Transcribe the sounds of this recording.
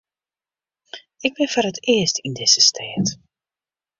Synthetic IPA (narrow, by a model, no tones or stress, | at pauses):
ɪɡ̚bɪnvɔːrɦətɪəstindɪz̥əstʰeːt